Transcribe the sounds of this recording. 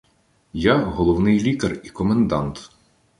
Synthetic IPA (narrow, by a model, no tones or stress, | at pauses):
jaɦɔlˠɔwnɪjlʲik̪ɐrikɔmend̪ɑnt̪